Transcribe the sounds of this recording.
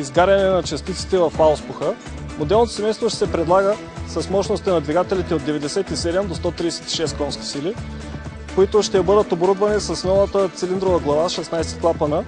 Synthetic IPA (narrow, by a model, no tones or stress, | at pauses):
izɡaɾʲɐnɛnɐt͡ʃɐst̪it̪si̥t̪ɛvɐfaʊspuxə | mod̪ɛlˠnot̪osɛmɛjst̪voʃt̪ɛ̥sɛpɾɛd̪lˠaɡə | sɐsmɔʃnost̪inɐd̪viɡat̪ɛlit̪ɛod̪ːɛvɛd̪ɛsɛt̪isɛd̪ɛmd̪ost̪ɔt̪ɾiɛsɛt̪i̥ʃɛst̪kɔnskʲi̥sili | koit̪oʃt̪ɛbɤd̪ət̪oboɾud̪vɐnisɐsnɔlˠət̪ət̪sɛlind̪ɾovəɡlˠɐvaʃɛsnajsɛ̥t̪klˠapɐnə